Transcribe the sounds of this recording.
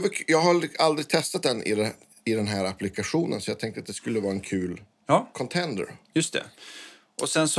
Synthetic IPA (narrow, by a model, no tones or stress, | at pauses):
vɑjɑːɡɦaɾald̪ɾɪɡald̪ɾɪɡ̚t̪ʰɛst̪at̪̚d̪ɛnːʔɪ̰d̪ɛ | ɪd̪ɛnɦæːɾapːlɪkaɧuːnənsɔjɑːɡt̪ʰɛŋkt̪əɾat̪̚d̪ɛskɵlːəvɑːɾaɛnkʰʉ̟ːl | jɑkʰɔnt̪ʰɛnd̪ə̰ɾjɵst̪ʰɛ̰ | ʔɔsɛnsɔ